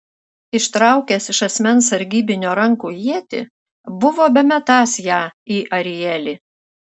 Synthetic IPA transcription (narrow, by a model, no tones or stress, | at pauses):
ɪʃt̪ɾɑˑʊkʲɛsɪʃɐsʲmʲɛnsɐɾʲɡʲiːbʲɪnʲoːɾɐŋkuːjiɛt̪ʲɪ̰ | bʊʋoːbʲɛmʲɛt̪ɑːsjæːiːʔɐɾʲɪjɛlʲi